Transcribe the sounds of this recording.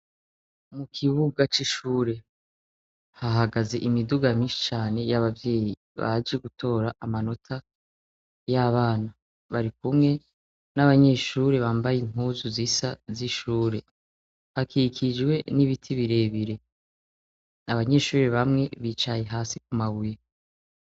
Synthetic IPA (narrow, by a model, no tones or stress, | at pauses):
mukʰiβuɡat͡ʃiʃuːɾe̞ | haɦaɡaze̞ʔimiduɡamiːʃi̥t͡ʃaːne̞jaβavje̞ːji | βa̰d͡ʒeɡutʰo̞ːɾaʔamano̞tʰa | jaβaːna | βaɾikumŋe̞ | naβaɲe̞ʃuːɾe̞βaːmbajin̥uzuzisaziʃuːɾe̞ | hakikʰid͡ʒwe̞niβitʰiβiɾe̞ːβiɾe̞ | aβaɲe̞ːʃuːɾe̞βamŋe̞βit͡ʃaje̞ɦaːsik̚umaβuje